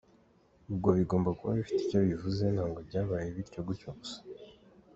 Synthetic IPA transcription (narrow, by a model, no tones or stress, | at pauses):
ubɡo̞βiɡo̞ːmbakuβa̰ifi̥ticoβivuze̞nhaːŋɡobɟaːβajeβiɾcoɡucoβusḁ